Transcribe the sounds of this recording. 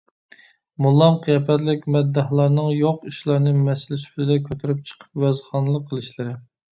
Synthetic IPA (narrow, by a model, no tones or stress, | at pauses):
mulˠːɑmqʰijɑpʰɛt̪lɪkʲmɛd̪ːɑhlˠɑɾnɨŋjoqiʃlˠɑɾnɨmɛsɪlɪsy̥plɪd̪ɛkʲʰøt̪ʰyɾyp̚t͡ʃʰə̥qʰə̥pwɛzχɑnɨlˠəqʰːəlˠɨʃlɨɾɨ